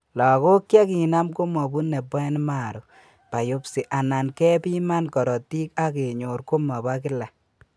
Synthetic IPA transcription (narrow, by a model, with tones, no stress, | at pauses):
lɔ˨ko˦kːja˦ki˨na˦mko˦mɔ˨bu˦ne˨bɔ˦ɛ˦n˦ma˦˨ɾu˨ | pa˨jo˦psi˨ʔa˨na˨nkɛ˦pi˦ma˦nkɔ˨ɾɔ˨ti˦ka˦ke˨ɲo˨ɾko˦mɔ˨ba˦kɪ˦la˨